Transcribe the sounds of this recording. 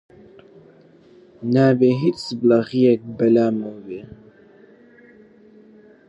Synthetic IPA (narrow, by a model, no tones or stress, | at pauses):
naːbeːɦit͡sblaɣijɛk̚bɐlaːmoːbe